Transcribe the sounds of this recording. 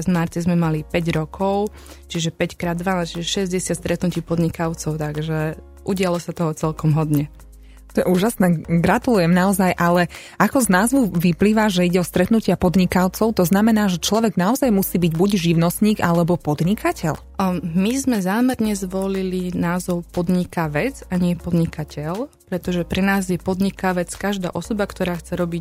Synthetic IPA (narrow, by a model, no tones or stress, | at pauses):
zmaɾt̪ɛzmɛmalipɛɟɾɔkʰɔʊ | t͡ʃiʒɛpɛckɾaːd̪ːʋanat͡ʃiʒɛʃɛzɟɛsɪat̪st̪ɾɛt̪nuciːpɔd̪ɲikaʊt͡sɔʊt̪aɡʒɛ | ʔuɟɪalɔsat̪ɔɦɔt͡sɛlkɔmɦɔd̪ɲɛ | t̪ɔjɛuːʒasnɛːɡɾat̪ulujɛmnaɔzajʔalɛʔakɔznaːzʋuʋipliːʋaʒɛiɟɛɔst̪ɾɛt̪nucɪapɔd̪ɲikaʊt͡sɔʊt̪ɔznamɛnaːʒɛt͡ʃlɔʋɛɡnaɔzajmusiːbiɟbuɟʒiʊnɔst̪ɲiːɡalɛbɔpɔd̪ɲikacɛ̰ʎ | mizmɛzaːmɛɾɲɛzʋɔlilinaːzɔʊpɔd̪ɲikaʋɛd͡zaɲɪɛpɔd̪ɲikacɛlpɾɛt̪ɔʒɛpɾɛnaːzjɛpɔd̪ɲikaʋɛt͡skaʒd̪a̰ːʔɔsɔbakt̪ɔɾaːxt͡sɛɾɔbic